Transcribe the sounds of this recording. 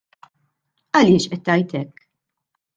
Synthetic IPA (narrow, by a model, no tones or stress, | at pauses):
ɐlɪːʃʔɛt̪ːɐjt̪ɛkː